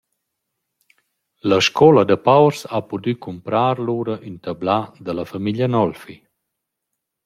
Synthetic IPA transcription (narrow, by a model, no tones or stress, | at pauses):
ləʃkʰɔləd̪əpawɾsapud̪ykʰumpɾaːɾluɾəʔynt̪ablad̪əlafamiʎənɔlfi